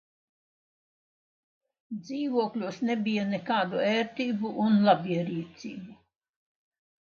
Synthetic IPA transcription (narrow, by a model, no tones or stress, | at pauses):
d̪ziːvuɔklʲuɔsnebijɐnekaːd̪uɛːɾt̪iːbuʔunlˠabʲiɛɾiːt̪sʲḭːbu